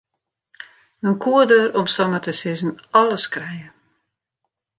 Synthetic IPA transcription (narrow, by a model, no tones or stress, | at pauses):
ənkʰuədəɾɔmstɔmətəsɪzən̩ɔləskrɛjə